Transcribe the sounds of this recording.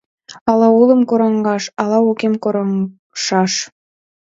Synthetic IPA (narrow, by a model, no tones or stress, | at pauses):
ɑlɑulˠə̆mkoɾɑŋɡɑʃɑlɑukemkoɾɑ | ʃɑʃ